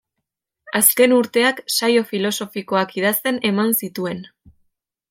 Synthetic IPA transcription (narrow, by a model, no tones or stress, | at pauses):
aske̞nuɾt̪e̞aksajo̞filo̞so̞fiko̞akiðast̪e̞ne̞mansit̪ue̞n